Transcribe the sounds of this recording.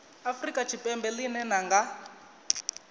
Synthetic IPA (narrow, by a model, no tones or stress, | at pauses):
afrikʼat͡ʃʰipʼɛmbɛlinɛnaŋɡa